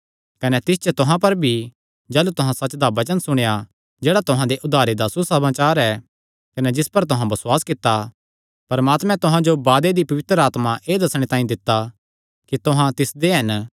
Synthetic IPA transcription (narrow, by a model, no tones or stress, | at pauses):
kɐnɛt̪ɪs̬t͡ʃət̪ʊɦãpɐɾbʱi | d͡ʒɛːlut̪ʊɦãsɐt͡ʃːd̪abɐt͡ʃənsʊɽ̃eja | d͡ʒeːɽat̪ʊɦãd̪eʔʊd̪ʱaːɾed̪asusɐmaːt͡ʃaːɾɛ | kɐnɛd͡ʒɪspɐɾt̪ʊɦãbɐswaːskɪt̪ːa | pɐɾmaːt̪mɛ̃t̪ʊɦãd͡ʒobaːd̪ed̪ipɐʋɪt̪ɾəaːt̪maʔeːd̪ɐsɽ̃et̪ãːĩd̪ɪt̪ːa | kit̪ʊɦãt̪ɪsd̪eɦɐn